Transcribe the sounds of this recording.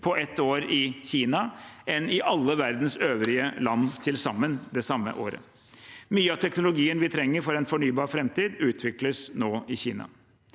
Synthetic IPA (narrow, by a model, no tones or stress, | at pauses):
pʰɔɛt̪ːoːɾɪçiːnɑʔɛnɪʔɑlːəʋæɾd̪n̩søːʋɾɪəlɑnːt̪ʰɪlsɑmːənd̪ɛsɑmːə̰ʔo̰ːɾə̰ | myːəɑːt̪ʰɛknʊlʊɡiːənʋɪt̪ʰɾɛŋːəɾfɔɾɛnfɔɳyːbɑːɾfɾɛmt̪iːd̪ʉːt̪ʰʋɪkləsnoːɪçiːnɑ̰